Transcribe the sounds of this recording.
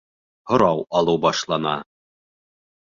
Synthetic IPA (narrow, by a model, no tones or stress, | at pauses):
hŏɾɑwɑlˠɤwbɑʃlˠɑnɑ̰